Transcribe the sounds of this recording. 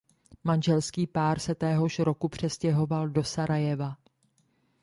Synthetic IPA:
manʒɛlskiːpaːɾsɛt̪ɛːɦo̞ʃɾo̞kupr̝̥ɛscɛɦo̞valdo̞saɾajɛva

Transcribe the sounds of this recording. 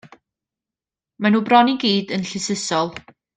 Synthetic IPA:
manuːbrɔniɡiːdənɬɪsəsɔlˠ

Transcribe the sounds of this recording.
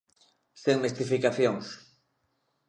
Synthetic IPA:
seŋmest̪ifikaθjoŋs

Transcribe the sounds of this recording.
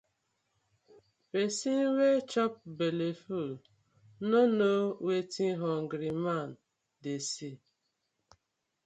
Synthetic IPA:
pesin̩wet͡ʃɔp̚beleful | nonowetʰiɦɔŋ̩ɡɾiman | desi

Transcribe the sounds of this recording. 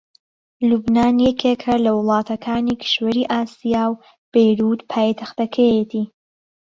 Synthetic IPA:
lubnaːnjɛkʰekʰɐlɐwlˠɑːt̪ʰɐkʰaːnikʰi̥ʃwɐɾiʔaːsijaːw | b̥ejɾud̪pʰaːjt̪ʰɐxt̪ɐkʰɐjet̪ʰiː

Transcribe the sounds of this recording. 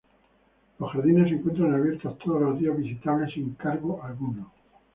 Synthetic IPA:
losxaɾðine̞s̬eŋkwe̞nt̪ɾanaβjeɾt̪ost̪ʰoð̞olozðiazβisit̪aβlesiŋkaɾɣoʔalɣuno

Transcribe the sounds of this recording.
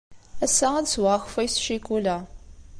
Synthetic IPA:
æsːæædswaxfæjsʃikulæ

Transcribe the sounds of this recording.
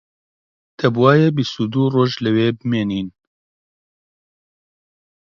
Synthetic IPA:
t̪ʰɛbwaːjɛbist̪ud̪uːroːʒlɨweːbɨmeːniːn

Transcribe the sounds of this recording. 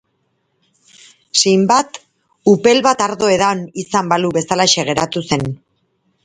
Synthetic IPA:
sejmbat̪ | upe̞lβat̪aɾðo̞e̞ðaonisambaluβe̞salaʃe̞ɣ̞e̞ɾat̪use̞n

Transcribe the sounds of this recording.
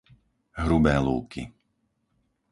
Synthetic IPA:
ɦɾubɛːlṵːkḭ

